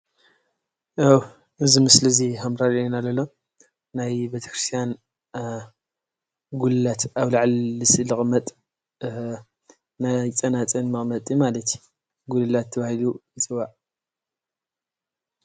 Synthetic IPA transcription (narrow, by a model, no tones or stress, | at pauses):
ʔaw | ʔɨzimɨsliziɦamɾalenalɐlːo | najbet̪ʰɐ̥kɾɨst̪ʰijan | ɡulɨlat̪aβlaʕlːɨsɨlɨχʼmɐt̪ʼ | najt͡sʼɐnat͡sʼɐnmɨχʼmɐt̪ʼjimalɐt̪ʰju | ɡulɨlat̪ʰːɐβahilujɨt͡sʼɨβaʔ